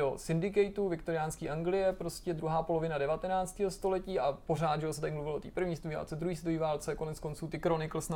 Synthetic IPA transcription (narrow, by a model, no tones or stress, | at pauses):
osɪndɪk̬ɛjt̪uvɪkt̪oɾɪjaːnskiːʔaŋɡlɪjɛpɾo̞scɛd̪ɾuɦaːpo̞lo̞vɪnadɛvat̪ɛnaːt͡st̪iːɦost̪o̞lɛciːʔapo̞raːd̪ʒɛɦosɛt̪aɾɪmluvɪlʔot̪ḭːpr̩vɲiːst̪uiva̰ːlt͡sɛd̪ɾuɦiːst̪ujivaːlt͡sɛko̞nɛt͡sko̞nt͡suːt̪ɪkɾonɪkl̩sna